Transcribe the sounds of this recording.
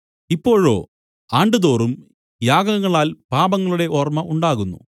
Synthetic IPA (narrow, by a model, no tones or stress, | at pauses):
ipːo̞ːɻo̞̰ː | aːɳɖɨðo̞ːrum | jaːɡɐŋːɐɭaːlpaːbɐŋːɐɭuɽe̞ʔo̞ːrmɐʔuɳɖaːɣunːṵ